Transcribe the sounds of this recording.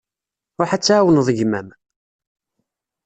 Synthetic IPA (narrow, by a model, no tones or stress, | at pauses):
ʊħat͡sːaːwənəðˤʝmæm